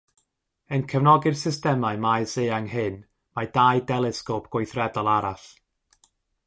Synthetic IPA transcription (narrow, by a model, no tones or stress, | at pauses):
ənkʰəvnɔɡɪrsɪstɛmaɨmajseːaŋhɨn | madajdɛlˠɪskopʰɡ̥wojθrɛdɔlˠaɾaɬ